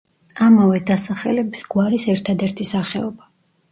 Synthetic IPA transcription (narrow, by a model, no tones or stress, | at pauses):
amavɛd̪asaχɛ̰lɛbisɡwaɾisɛɾt̪ʰad̪ɛɾt̪ʰisaχɛɔba